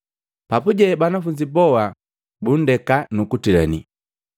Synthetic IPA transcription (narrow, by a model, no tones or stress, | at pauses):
papuɟɛbanafuɲd͡ʒibɔwa | bun̩dɛkanukutila̰ni